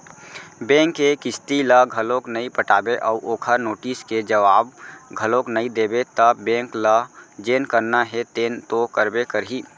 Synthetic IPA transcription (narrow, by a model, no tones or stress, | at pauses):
bɛ̃ːŋkːekɪst̪iləɡʱəloknəipəʈaːbeʔɔːʔoːkʰəɾnoːʈisked͡ʒəʋaːb̚ɡʱəlõknəĩd̪eːbet̪əbɛ̃ːŋkləd͡ʒeːnkəɾnaɦet̪eːnt̪okəɾbekəɾɦiː